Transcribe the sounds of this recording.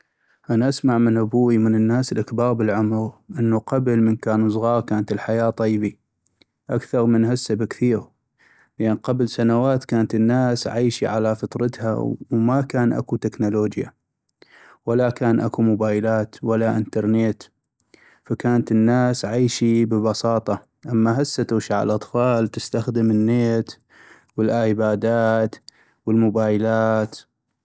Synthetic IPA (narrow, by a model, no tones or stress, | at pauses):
ʔanaʔasmaʕmənʔabuːimənənːaːsəlʔakbɑːɾbəlʕʊmɾʔɪnːuqablmənkaːnusˤɣɑːɾˤkaːnat̪əlħajaːt̪ˤːɑjbi | ʔakθɑɾˤmənhasːabkθiːɾ | lʔanqɑblsanawaːt̪kaːnt̪ənːaːsʕaːʃiʕalafɑt̪ˤɾˤɑt̪ha̰wmakaːnʔa̰kut̪ɪknuloːd͡ʒja̰ | walakaːnʔakumʊbaːjlaːt̪walːaʔɪnt̪ɑɾˤnet̪ | fakaːnt̪ənːaːsʕaːʃibəbɑsɑːt̪ˤɑ | ʔamːaɦasːat̪uːʃaʕa̰lʔɑt̪ˤfɑːlt̪ɪst̪axd̪əmənːeːt̪ | wəlʔabaːd̪aːt̪ | wəlmʊbaːjlaːt̪